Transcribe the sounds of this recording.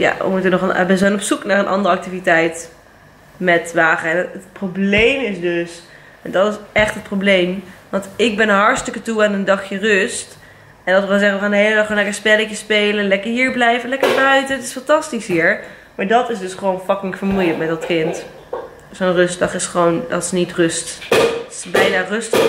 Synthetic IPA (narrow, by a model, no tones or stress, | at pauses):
ja̰ə̰mutənɔχənɛbənzɛnɔpsuknaːrənʔɑ̰ndəɾɑk̚tivitɛjt | mɛtʋaːχəɛnətproblejmɪsdøs | ɛndɑtɪsɛχtɦət̚prowblejmʋɑntɪɡ̚bɛnəɦɑɹtstʏkətuaːnəndɑχjərɵst | ɛndɑtʋəʋɛlzɛχəəaːndəɦejlədɑχonlɛkəɹspɛləkəspejlənlɛkəɹɦiːɹblɛjvənlɛkəɹbœɥtəntɪ̥sfɑntɑstisɦiːɹ | maːɹdɑtɪsdɵsχəʋownfɑkɪŋkfəɹmujəkmɛt̚dɑtkɪnt | sonrɵstdɑχɪsχəʋowndɑtɪsnitrøst | bɛjnaːrøstəχ